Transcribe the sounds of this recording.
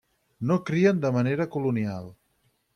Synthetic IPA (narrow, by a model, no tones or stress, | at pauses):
nokɾiənd̪əməneɾəkulunialˠ